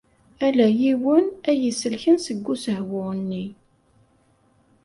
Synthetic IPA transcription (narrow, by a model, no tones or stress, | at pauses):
ælæjiwənæjisəlçənsəɡʷːusəɦwʊnːi